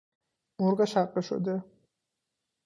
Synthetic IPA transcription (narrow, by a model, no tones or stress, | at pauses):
muɾɡaʃaqʼɛʃɔ̰d̪ɛ